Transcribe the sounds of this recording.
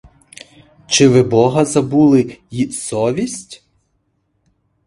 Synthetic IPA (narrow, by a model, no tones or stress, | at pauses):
t͡ʃɪʋɪbɔɦɐzɐbulˠɪjisɔʋʲisʲtʲ